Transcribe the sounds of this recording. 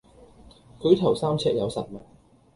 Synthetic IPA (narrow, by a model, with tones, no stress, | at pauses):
kʰɵ˨˧ɥt̪ʰɐ˨˩wsaː˥mt͡sʰɛː˧k̚jɐ˨˧wsɐ˨t̚mɐ˨˩t̚